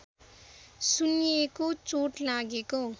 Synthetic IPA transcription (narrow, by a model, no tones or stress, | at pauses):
sunijekot͡soʈlaɡeko